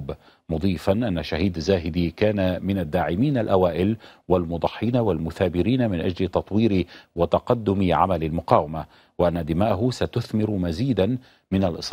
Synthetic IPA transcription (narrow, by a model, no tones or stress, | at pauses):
b | mʊd̪ˤiːfanʔanːaʃaɦiːd̪zaːɦɪd̪ikaːnamɪnad̪ːaːʕɪmiːnalʔawaːʔɪlwalmʊd̪ˤɑħːiːnawalmʊθaːbɪɾiːnamɪnʔad͡ʒlɪt̪ɑt̪ˤwiːɾiwat̪ɑqɑd̪ːʊmɪʕa̰malɪlmʊqɑːwama | wɪʔanːad̪ɪmaːʔaɦʊsat̪ʊθmɪɾʊmaziːd̪an | mɪnalʔɨsˤ